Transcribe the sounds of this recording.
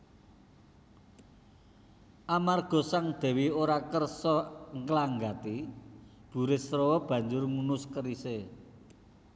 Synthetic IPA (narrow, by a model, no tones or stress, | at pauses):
ʔamarɡ̥ɔ̤saŋd̪̥ɛ̤wioɾakərsɔŋklaŋɡat̪i | b̥ṳɾɪsɾowɔb̥ä̤ɲd͡ʒʊrŋunʊskəɾise